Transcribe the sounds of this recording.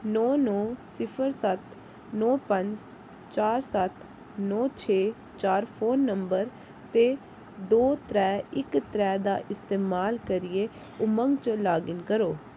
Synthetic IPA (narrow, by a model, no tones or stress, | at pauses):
nɔːnɔːsɪpʰəɾsət̪ | nɔːpəɲd͡ʒ | t͡ʃaːɾsət̪ | nɔːt͡ʃʰeː | t͡ʃaːɾpʰoːnːəmbəɾ | t̪eː | d̪oːt̪ɾɛːɪkt̪ɾɛːd̪a̰ːʔɪst̪eːmaːlkəɾɪjeː | ʊmə̃ŋɡt͡ʃlaːɡɪnkəɾoː